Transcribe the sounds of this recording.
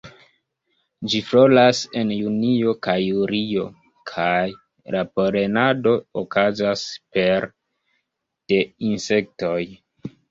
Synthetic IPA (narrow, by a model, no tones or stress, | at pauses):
d͡ʒifɾo̞lase̞njunio̞kajuɾio̞ | kʰaj | lapoɾe̞nado̞okazaspe̞ɾ | d̥e̞inse̞k̚to̞j